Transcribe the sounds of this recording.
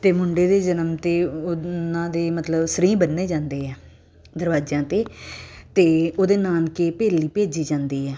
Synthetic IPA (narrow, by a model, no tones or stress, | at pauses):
t̪eːmʊɳɖeːd̪eːd͡ʒənəmt̪eːʊnãːd̪eːmət̪ləbsəɾĩːbənːeːd͡ʒãːnd̪eːɛː | d̪əɾʋaːd͡ʒãːt̪eːt̪eːoːd̪eːnaːnkeːpeːliːpeːd͡ʒiːd͡ʒãːnd̪iːɛː